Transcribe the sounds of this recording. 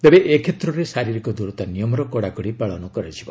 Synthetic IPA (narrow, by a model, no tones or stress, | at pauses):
t̪ebeʔekʰet̪ɾɔɾesaɾiɾikɔd̪uɾɔt̪anijɔmɾɔkɔɽakɔɽipaɭɔnɔkɔɾed͡ʒʰibɔ